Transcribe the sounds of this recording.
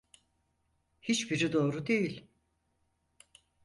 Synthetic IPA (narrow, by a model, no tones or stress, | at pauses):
hit͡ʃbiɾid̪o̞ːɾud̪e̞jilʲ